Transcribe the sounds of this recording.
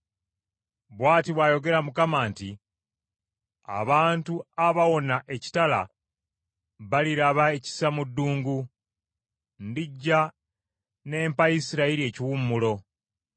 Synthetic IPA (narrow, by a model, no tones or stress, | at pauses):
βwaːtiβwajo̞ɡe̞ɾamukamaːnti | a̰βaːntuaβawo̞naʔe̞ci̥tala̰ | βaliɾaβaeci̥samudːuːŋɡu | ndiɟːa | ne̞ːmpajisiɾaiɾie̞ːciwumːulo̞